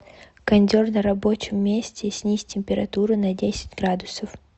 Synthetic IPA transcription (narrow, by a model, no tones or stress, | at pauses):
kɐnʲdʲo̞rnəɾɐbo̞t͡ɕɪmːʲesʲtʲɪsʲnʲisʲtʲɪmʲpʲɪɾɐt̪uɾɨnɐdʲesʲɪ̥dʲɡɾad̪ʊsəf